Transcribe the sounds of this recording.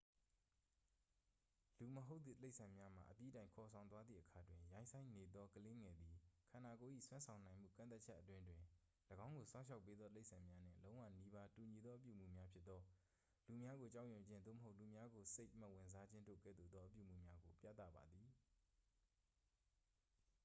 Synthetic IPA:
lu˨məɦo˦ʊt̪ðḭ˦˨le˦ʔsʰã˨mja˦m̥a̰˨ʔəpjḭ˦dã˨ɪ̃ŋkʰɔ˨sʰã˨ʊ̃nwa˦d̪ðḭ˦˨ʔəkʰa˨dwɪ̃˨jã˦ɪ̃nsʰã˦ɪ̃ne˨d̪ðɔ˦kəle˦ŋɛ˨d̪ði˨kʰã˨na˨ko˨ʔḭ˦˨swã˦nsʰã˨ʊ̃nã˨ɪ̃m̥ṵ˦˨kã̰˦˨nt̪a˦t̚t͡ɕʰɛ˦ʔət̬wɪ̃˦ndwɪ̃˨ | ləɡã˦ʊ̃ŋɡo˨sʰã˦ʊ̃ʃʰa˦ʊpːe˦d̪ðɔ˦tle˦ɪʔsʰã˨mja˦n̥ɪ̰̃˦˨lõ˦ʊ̃wä̰˦˨ni˦ba˦tu˨ɲi˨d̪ðɔ˦ʔəp̬jṵ˦˨m̥ṵ˦˨mja˦pʰjɪ˦t̪̚ːɔ˦ | lu˨mja˦ɡo˨t͡ɕa˦ʊʔjʊ̃˨ɲd͡ʑɪ̃˦nd̪o̰˦˨mə˨ɦo˦ʊʔlu˨mja˦ɡo˨se˦ɪʔma˦˨ʔwɪ̃˨nza˦d͡ʑɪ̃˦ndo̰˦˨ɡɛ̰˦˨d̪ðu˦˨d̪ðɔ˦ʔəpjṵ˦˨m̥ṵ˦˨mja˦ɡo˨pja̰˦˨t̪a̰˦˨ba˨d̪ði˨

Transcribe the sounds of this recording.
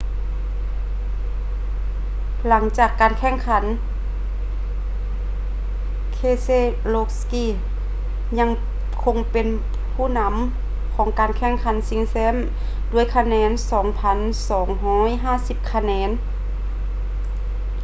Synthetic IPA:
la˩˦ŋt͡ɕaː˨˩kːaː˨nkʰɛ˧˥˨ŋkʰa˩˦n | kʰeː˧˨seː˧˥˨ | loː˧k̚skiː˧˩˨ | ɲa˧˥ŋ | kʰo˧ŋpe˨n | pʰuː˥˩˨na˧˥m | kʰɔː˩˦ŋkaː˨nkʰɛ˧˥˩ŋkʰa˨˦nsi˧˦ŋsɛː˧˥˨m | du˧˩əjkʰa˧nɛː˧˥nsɔː˩˦ŋpʰa˧˥n | sɔː˨˩˦ŋɦɔː˧˥˨jɦaː˥˨si˧p̚kʰa˧nɛː˨˧˥n

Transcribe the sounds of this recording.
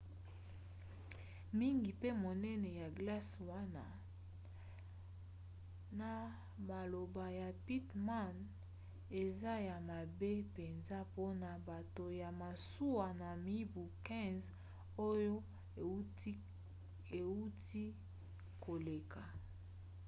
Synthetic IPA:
mi˦ŋɡi˨pe˦mo˨nɛ˦nɛ˨ja˨ɡla˦swa˦na˦ | na˨ | ma˨lo˨ba˨ja˨pi˦tma˦˨n | e˨za˦ja˨ma˨be˦pe˨nza˦po˦na˨ba˨to˨ja˨ma˨su˦wa˨na˨mi˦bu˨kɛ̃˦z | o˦jo˦ | e˨u˦ti˦ | ko˨le˨kʰa˨

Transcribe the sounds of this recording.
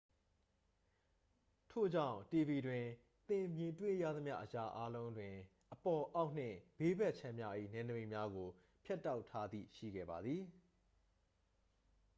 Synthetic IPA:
tʰo̰˦˨d͡ʑã̰˦˨ʊ̃te˨bi˨dwɪ̃˨ | t̪ɪ̃˨mjɪ̃˨twḛ˦˨ja̰˦˨d̪ə˦mja̰˦˨ʔəja˨ʔa˦lõ˦ʊ̃ndwɪ̃˨ | ʔəpɔ˨ʔa˦ʊʔn̥ɪ̰̃˦˨b̥e˦bɛ˦ʔt͡ɕʰɛ̃˦mja˦ʔḭ˦˨nɛ̃˨nə˨bẽ˨mja˦ɡo˨ | pʰja˦tːa˦ʊtʰa˦d̪ðḭ˦˨ʃḭ˦˨ɡɛ̰˦˨ba˨d̪ði˨

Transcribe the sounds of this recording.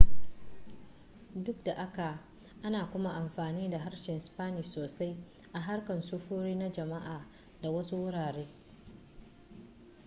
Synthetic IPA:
dʊ˦k̚da˨ʔa˦ka˨ | ʔa˦naː˨kʷʊ˦ma˦ʔa˨mɸaː˨niː˦da˨ɦa˦rʃɛ˨nʔspaː˦niː˨soː˨sa˦j | ʔa˨ɦa˦rkɐ˨nsʊ˦ɸuː˦ɽiː˦na˦d͡ʒɐ˨ma˦ʔaː˨ | da˨wɐ˦su˦wʊ˦ɽaː˨ɽeː˦

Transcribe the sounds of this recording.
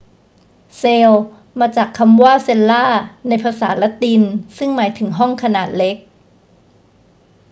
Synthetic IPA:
seː˧w | maː˧t͡ɕaː˨˩kʰːa˧mwaː˥˩se˧lːaː˥˩na˧jpʰaː˧saː˩˦la˦˥t̪i˧nsɯ˥˩ŋmaː˩˦jt̪ʰɯ˩˦ŋɦɔ˥˩ŋkʰa˧naː˨˩t̪̚le˦˥k̚

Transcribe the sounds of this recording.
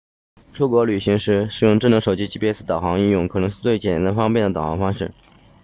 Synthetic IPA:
ʈ͡ʂʰu˥kwɔ˧˥ly˨˩ɕi˧˥ŋʂɻ̩˧˥ʂɻ̩˨˩jʊ˥˧ŋʈ͡ʂɤ˥˩ŋnɤ˧˥ʂo˨˩ʊt͡ɕi˥t͡ɕi˥˩pi˥sɹ̩˥˩t̪ɑ˨˩ʊxɑ˧˥ŋi˥˧jʊ˥˩ŋkʰɤ˨˩nɤ˧˥ŋʂɻ̩˥˧t͡swe˥˩ɪt͡ɕjɛ˨˩n˥t̪a˥nfɑ˥ŋpjɛ˥˩nd̪ə˩t̪ɑ˨˩ʊxɑ̰˧˥ŋfɑ˥ŋʂɻ̩˥˩

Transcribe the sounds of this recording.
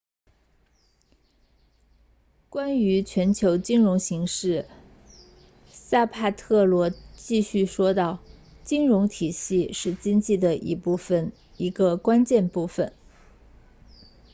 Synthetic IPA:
kwa˥ny˧˥t͡ɕʰɥɛ˧˥nt͡ɕʰjo˧˥ʊt͡ɕi˥nɻʊ˧˥ŋɕi˧˥ŋʂɻ̩˥˩ | sa˥˧pʰa˥˧t̪ʰɤ˥˩lwɔ˧˥t͡ɕi˥˧ɕy˥˩ʂwɔ˥t̪ɑ˥˩ʊ | t͡ɕi˥ŋɻʊ˧˥ŋt̪ʰi˨˩ɕi˥˧ʂɻ̩˥˩t͡ɕi˥ŋt͡ɕi˥˩d̪ə˩ʔḭ˧˥pu˥˩fə˩n | i˧˥ɡə˧kwa˥nt͡ɕjɛ˥˧npu˥˩fə˨˩˦n

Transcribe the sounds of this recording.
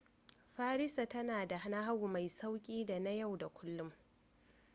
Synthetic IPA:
ɸaː˦ɾɪ˦sa˨tɐ˦naː˨da˨ha˦na˦ɦa˦wu˨ma˨jsa˦wkʲʼiː˦da˨na˦ja˦˨wda˨kʷʊ˦lːʊ˦m

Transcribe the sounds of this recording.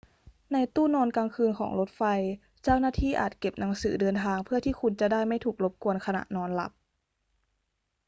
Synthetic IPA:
na˧jt̪uː˥˩nɔː˧nkaː˧ŋkʰɯː˧nkʰɔ̰ː˩˦ŋlo˦˥t̪̚fa˧j | t͡ɕaː˥˩wnaː˥˩t̪ʰiː˥˩ʔa̰ː˨˩t̪̚ke˨˩p̚na˩˦ŋsɯː˩˦dɤː˧nt̪ʰaː˧ŋpʰɯ˥˩ɐt̪ʰiː˥˩kʰu˧nt͡ɕa˨˩daː˥˩jma˥˩jt̪ʰuː˨˩k̚lo˦˥p̚ku˧ənkʰa˧na̰˨˩ʔnɔː˧nla̰˨˩˦p̚

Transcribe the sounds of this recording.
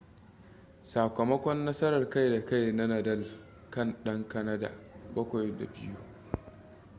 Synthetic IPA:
saː˨kɐ˨mɐ˦kʷɔ˦nːɐ˦sɐ˦ɾɐ˨rka˦jda˨ka˦˨jnɐ˦nɐ˨dɐ˦˨l | kɐ˦˨nɗɐ˦ŋkɐ˦nɐ˦da̰˨bɐ˦kʷa˨jda̰˨bɪ˦ju˦

